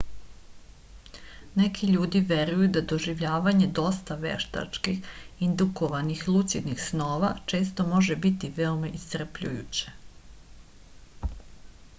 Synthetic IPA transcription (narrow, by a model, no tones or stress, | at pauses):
nekʰiʎuːd̪iʋeɾujud̪ad̪oʒiʋʎaːʋaɲe̞d̪o̞st̪aʋḛʃt̪a̰t͡ʃkixind̪ukoʋanixlˠut̪sid̪nixsnoːʋa̰t͡ʃe̞ːst̪o̞mo̞ʒebit̪iʋeomaʔist̪r̩pʎṵjṵt͡ɕe̥